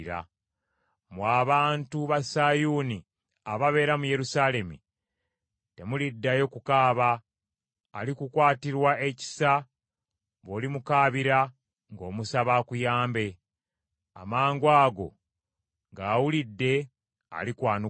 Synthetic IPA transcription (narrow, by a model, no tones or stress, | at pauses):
ɾa̰ | mwaːβaːntuβasajuni | aβaβe̞ːɾamuje̞ɾusaːle̞mḭ | te̞mulidːajo̞kukaːβaː | likukwaːtiɾwae̞ci̥sa | βo̞ːlimukaːβiɾa | ŋɡo̞ːmusaβakujaːmbe̞ | a̰maːŋɡwaːɡo̞̰ | ŋɡaːwulidːe̞ | a̰likwaːnu